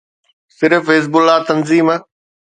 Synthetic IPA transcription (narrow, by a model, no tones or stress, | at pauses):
sɪɾfeːs̬bʊlaːt̪ɐnziːm